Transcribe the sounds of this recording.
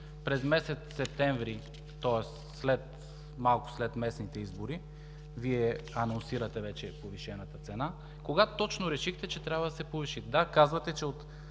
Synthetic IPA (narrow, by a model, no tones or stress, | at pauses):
pɾɛzmɛsɛt̪sːɛp̚t̪ɛɱvɾi | t̪ɔɛsːlɛt̪ | malˠkʊ̥slɛt̪mɛsnit̪ɛizboɾi | viɛɐnonsiɾɐt̪ɛvɛt͡ʃɛpoviʃɛnat̪at̪sɛna | koɡat̪t̪ɔt͡ʃnoɾɛʃixt̪ɛt͡ʃɛt̪ɾʲabɐd̪ɐsɛpoviʃit̪ɛd̪akazvɐt̪ɛt͡ʃɛot̪